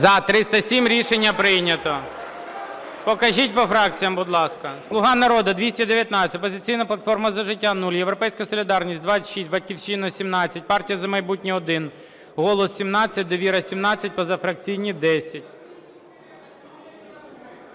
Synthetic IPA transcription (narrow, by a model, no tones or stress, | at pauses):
zɐt̪ɾɪst̪ɐsʲimɾʲiʃenʲːɐpɾɪjnʲɐt̪ɔ | pɔkɐʒit̚ʲpɔfɾɑk̚t͡sʲijɐmbʊd̪lˠɑskɐslˠʊɦɑnɐɾɔd̪ɐd̪ʋʲisʲtʲɐd̪eʋʲjɐt̪nɑt͡sʲɐtʲpɔzɪt͡sʲijnɐplˠɐt̪fɔrmɐzɐʒɪtʲːanulʲjeʋwɾɔpɛjsʲkɐsɔlʲɪd̪ɑrnʲisʲt̚ʲd̪ʋɑt͡sʲɐʃisʲt̚ʲbɐt̚ʲkʲiwʃinɐsʲimnɑt͡sʲːɐt̚ʲpɑrtʲijɐzɐmɐjbutʲnʲiɔd̪ɪn | ɦɔlˠɔsːʲimnɑt͡sʲːɐt̚ʲd̪ɔʋʲiɾɐsʲimnɑt͡sʲːɐt̚ʲpɔzɐfɾɐk̚t͡sʲijnʲid̪ɛsʲɐtʲ